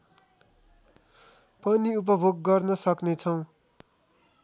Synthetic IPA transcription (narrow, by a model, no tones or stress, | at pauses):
pʌniup̬ʌbʱoɡːʌrnʌsʌknet͡sʰʌw̃